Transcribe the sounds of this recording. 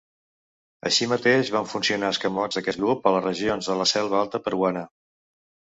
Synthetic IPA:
ə̰ʃimət̪eʒβaɱfunsiunaəskəmɔzðəkɛzɣɾupələrəʒionzðələsɛlˠβəalˠt̪əpəɾwanə

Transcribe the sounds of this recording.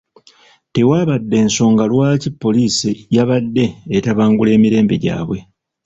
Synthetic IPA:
te̞waːβadːe̞ːnso̞ːŋɡalwaːcipːo̞lisijaβadːe̞ːtaβaːŋɡule̞ːmiɾe̞ːmbe̞̰ɟa̰ːβwe̞

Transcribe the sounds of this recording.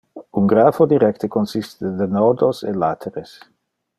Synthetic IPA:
uŋɡɾaːfod̪iɾɛkt̪ekonsist̪ed̪enɔd̪osḛlaːt̪ʰeɾes

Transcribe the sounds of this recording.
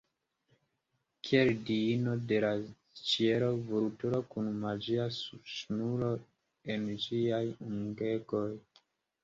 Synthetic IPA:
kʰieldiino̞de̞last͡ʃie̞ɾovultuɾo̞kunmad͡ʒiasubsunulo̞ | end͡ʒiajuŋɡe̞ɡo̞j

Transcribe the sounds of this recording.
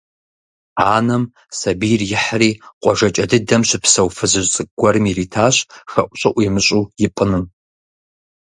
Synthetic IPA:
aːnɐm | sɐbiːrjɪħriːqʷʼɔʒɐt͡ʃʼɐdɨdɐmɕɪpsɐwfɨzɨʒʷt͡sʼɨɡ̚ɡʷɔɾɨmiriːtʰaːɕxɐʔʷɕʼɐʔʷʼimɨɕʼuːjɪpʼɨnɨm

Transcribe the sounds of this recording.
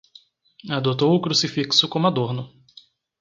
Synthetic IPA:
ad̪ot̪̬owʊkɾusifiksʊkõmad̪oɾnʊ

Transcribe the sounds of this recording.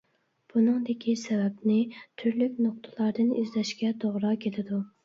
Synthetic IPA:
b̥unɨŋd̪ɪkʲʰisɛvɛpnɪt̪ʰyɾlykʲnoq̚t̪ʰɨ̥lˠɑɾd̪ɨnizlɛʃkʲɛt̪ʰoʁɾɑkʲʰelɪd̪u

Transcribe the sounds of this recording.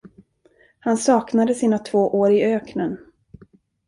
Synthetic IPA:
hansɑːknad̪əsiːnat̪ʰvoːʔoːɾɪøːknən

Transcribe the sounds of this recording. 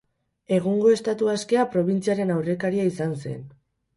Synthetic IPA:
e̞ɣ̞uŋɡo̞e̞st̪at̪uaske̞apɾo̞β̞int͡siaɾe̞nawre̞kaɾiaisanse̞̰n

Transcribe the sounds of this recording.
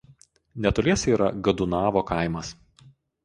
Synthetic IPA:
nʲɛt̪oːlʲiɛsiːɾɐɡɐd̪ʊnɑːʋoːkɑˑɪmɐs

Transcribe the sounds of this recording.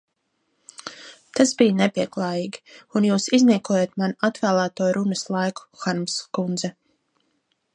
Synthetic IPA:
t̪asbijnɛpʲiɛklˠɑːjiːɡi̥unjuːsizniːkuɔjeːt̪manat̪væːlˠæːt̪uɔɾunɐslˠajku̥xaɾmskund̪zɛ

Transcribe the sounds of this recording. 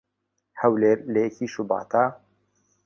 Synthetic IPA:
hɐwleːɾlekʰiːʃubɑ̰ːt̪aː

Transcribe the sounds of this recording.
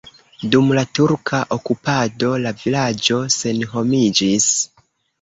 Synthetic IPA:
dumlatuɾkʰaʔokupado̞lavilad͡ʒo̞se̞nɦo̞mid͡ʒis

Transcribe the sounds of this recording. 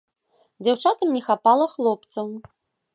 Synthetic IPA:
d͡zʲawt͡ʂat̪ɐmnʲɛxapalˠɐxlˠɔp̚t̪sɐw

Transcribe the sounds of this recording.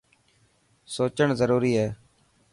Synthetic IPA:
soːt͡ʃəɳzəɾuːɾiːɦɛː

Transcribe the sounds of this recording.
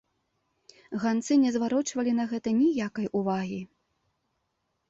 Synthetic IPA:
ɣant̪sɨnʲɛzvaɾɔt͡ʂvɐlʲinɐɣɛt̪ɐnʲijakɐjʔuvaɣʲi

